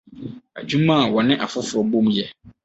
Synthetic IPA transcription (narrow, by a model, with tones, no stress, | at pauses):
a̰˨d͡ʑᶣu˦mã˦˨wɔ˨nɪ̃˦ʔa˨fʊ˦fʊ˨ɾɔ˨bõ˦mjɛ˦